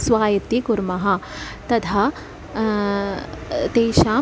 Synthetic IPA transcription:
sʋaːjɐt̪ikuɾmɐɦɐ̆ | t̪ɐt̪ʰa | t̪eːʃaː

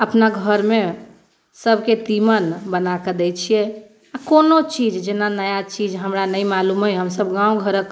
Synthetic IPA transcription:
əpnaɡʱəɾme | səbʱket̪imənbənakəd̪ɛt͡ʃʰijɛ | akonot͡ʃid͡ʒd͡ʒenanəjat͡ʃid͡ʒɦəmɾanəjmalumɦəjɦəmsəbɡãuɡʱəɾək

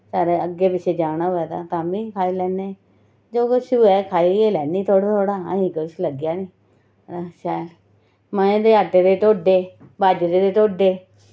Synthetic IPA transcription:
saːɾeəɡːeːpɪt͡ʃʰeːd͡ʒaːɽ̃aːɦoːjaːt̪a̰ːt̪aːmĩːkʰaːiːlɛːneː | d͡ʒoːkʊʃuːɛːkʰaːiːeːlɛːniːt̪ʰoːɽat̪ʰoːɽaːə̰ɦĩːkʊʃləɡjaːnĩː | aʃaːl | məẽːd̪eːəʈːeːd̪eːʈ̪oːɖeːbaːd͡ʒd̪eːd̪eːʈoːɖeː

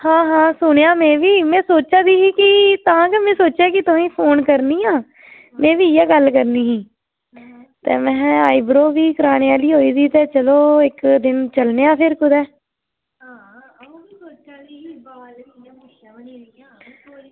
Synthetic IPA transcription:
hãːɦãːsʊɳejaːmɛ̃ːʋiːmɛ̃ːsoːt͡ʃaːd̪iːɦiːkɪt̪aãːkemɛ̃ːsoːt͡ʃaːkɪt̪ʊĩːpʰoːnkəɾniːãː | mɛ̃ːʋiːjaːɡəlkəɾniːɦĩː | t̪ḛːmɛ̃ːaːibɾoːʋiːkəɾaːneːaːliːɦoːiːsiːt̪ɛːt͡ʃəloːɪkd̪ɪnt͡ʃəlneːãːpʰɪɾkʊd̪ɛː

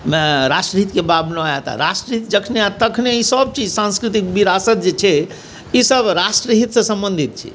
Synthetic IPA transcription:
mɛɾasʈɾəɦit̪kebabnoajat̪a̰ɾasʈɾəit̪d͡ʒəkʰneat̪əkʰneisəb̚t͡ʃid͡ʒsãnskɾit̪ikbiɾasət̪̚d͡ʒet͡ʃʰɛ | isəbɾasʈɾəɦit̪sẽsə̃mbənd̪ʱit̪̚t͡ʃʰḭ

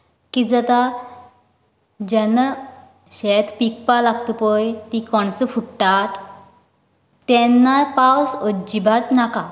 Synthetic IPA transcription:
kid͡zət̪a | d͡ʑɛna | ɕɛt̪pik̚palaɡ̚t̪əpəjt̪ikɔɳsəfuʈʈat̪ | ɛnːapawsəd͡ʑibʱat̪naka

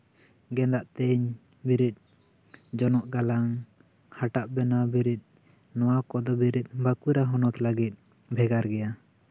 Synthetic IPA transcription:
ɡɛnd̪aʔt̪ɛɲ | biɾit̪̚ | d͡ʒɔnɔʔɡalaŋ | haʈaʔbɛnabiɾit̪̚ˀ | nɔwakɔd̪ɔbiɾit̪̚ˀbakuɾaɦɔnɔt̪laɡit̪̚ˀ | bʱɛɡaɾɡɛja

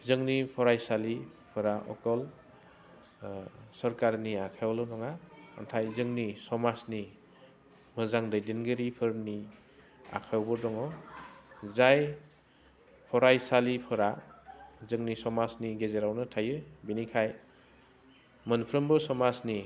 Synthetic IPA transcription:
zɯŋnipʰɔɾajsali | pʰɯɾaʔɔ̰kɔl | sɔɾkaɾniakʰawlɔnɔŋaa̰ntʰajzɯŋnisɔmasni | mɯzaŋdɯjdenɡɯɾipʰɯɾmni | a̰kʰawbɔɾdɔŋɔ | zaj | pʰɔɾajsalipʰɯɾa | zɯŋnisɔmasniɡezeɾawnɯtʰajɯbinikʰaj | mɯnpʰɾɯmbɯsɔmasni

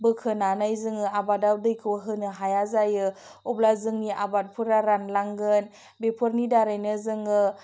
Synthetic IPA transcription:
bɯkʰɯnanajzɯŋɯabadawdɯjkʰɯwaɦɯnɯɦajazajɯ | ɔblazɯŋniʔabat̚pʰuɾaɾanlaŋɡɯn | bepʰuɾnidaɾajnɯzɯŋɯ

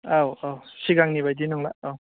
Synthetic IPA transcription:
awawsiɡaŋnibajdinaŋlaaw

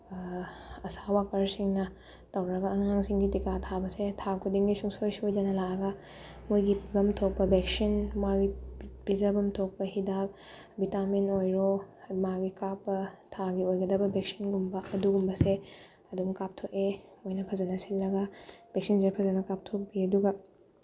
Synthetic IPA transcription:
ɐsawakɐɾsiŋnɐ | tɐwɾɐɡɐːŋaŋsiŋɡitikatʰabɐsetʰakʰudiŋɡisuŋsojsiojdɐnɐlaɐɡɐ | mujɡiɡɐmtʰok̚pɐbeksinmaɡibizɐbɐmtʰok̚pɐɦidak̚ | bitaminojɾomaɡikakːɐtʰaɡiojɡɐdɐbɐbeksi̥nɡumbɐʔɐduɡumbɐse | ɐdumkap̚tʰokemojnɐpʰɐzɐnɐsilːɐɡɐb̥ek̚sinsepʰɐzɐnɐkap̚tʰok̚biɐduɡɐ

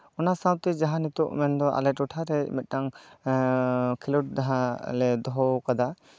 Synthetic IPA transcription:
ɔnasawt̪ɛd͡ʒaɦãnit̪uʔmɛnd̪ɔʔa̰lɛʈɔʈʰaɾɛmɛt̪̚ˀnaŋ | kʰiluʈ̚daɦãlɛd̪ɔɦɔwkad̪a

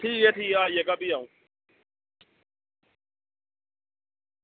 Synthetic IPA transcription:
t̪ʰijɛt̪ʰiajɛkapijã

